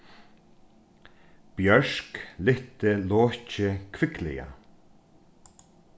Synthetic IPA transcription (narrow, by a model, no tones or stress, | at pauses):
b̥jœʂklɪt̪əloːcəkʰvɪklɪ̰ja̰